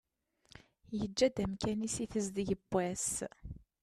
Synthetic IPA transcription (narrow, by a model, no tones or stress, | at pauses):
jəd͡ʒːæd̪æmkænisiθəzd̪ʝəbːæs